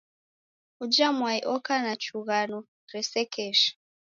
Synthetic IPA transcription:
ud͡ʒamwaiʔɔkanat͡ʃuɣanɔ | ɾɛsɛkʰɛʃḁ

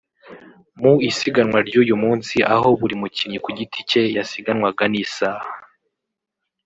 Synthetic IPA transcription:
muisiɡanwaɾɟuːjumuːnsiʔa̰ɦo̞βuɾimuciɾɲikuɟitʰice̞jasiɡanŋwaɡanisaːha

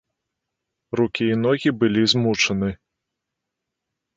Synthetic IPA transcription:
rukʲiːnɔɣʲibɨlʲizmut͡ʂɐnɨ

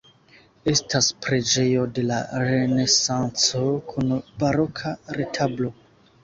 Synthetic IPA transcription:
e̞staspɾe̞d͡ʒe̞jo̞de̞laɾe̞ne̞sant͡so̞kʰunbaɾo̞kʰaɾetʰablo̞

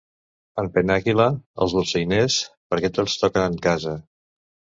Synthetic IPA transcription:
əmpənakiləə̰lˠzβulsəjnespəɾkɛt̪ot͡st̪ɔkənəŋkazə

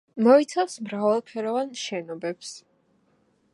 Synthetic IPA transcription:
mɔit̪sʰafsmɾavalˠpʰɛɾɔvanʃɛnɔbɛps

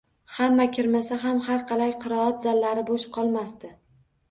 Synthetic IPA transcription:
hamːakʲʰɪɾmasaɦamhaɾqɑlajqʰɨɾɒɒt̪zalːaɾɪboʃqʰɒlˠmast̪ɪ

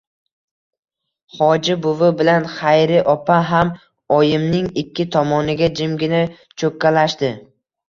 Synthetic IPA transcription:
χɒd͡ʒɪbʊvɪbɪlanχajɾɪʔɒpʰaɦam | ɒjɪmnɪŋɪkʲːɪt̪ʰɒmɒnɪɡʲad͡ʒɪmɡʲɪna | t͡ʃʰɵkʲːalaʃt̪ɪ

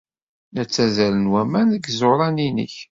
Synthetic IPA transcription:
næt͡sːæzælənwæmænəɡzoɾˤɑninə̰ç

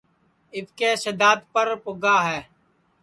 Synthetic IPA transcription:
ɪʋkeːsəd̪aːd̪pəɾpʊɡaːɦɛː

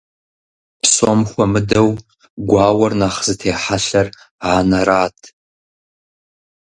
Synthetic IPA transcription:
pʰsomxʷɐmɨdɐw | ɡʷaːwɐrnaːχz̥ɨtʰeːħaɬɐr | aːnɐɾaːtʰ

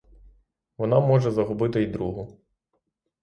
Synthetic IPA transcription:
ʋɔnɑmɔʐɛzɐɦʊbɪt̪ɪid̪ɾuɦʊ

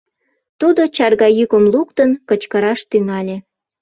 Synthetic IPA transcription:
t̪ud̪ot͡ɕɑrɣɑjykə̆mlukt̪ənkə̆t͡ɕkəɾɑʃt̪yŋɑlʲe

